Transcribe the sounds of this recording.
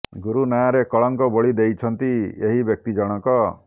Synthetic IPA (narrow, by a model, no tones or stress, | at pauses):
ɡuɾunajaɾekɔɭɔŋkɔbɔɭid̪ejt͡ʃʰɔnt̪ieɦibjɔk̚t̪id͡ʒɔɽ̃ɔkɔ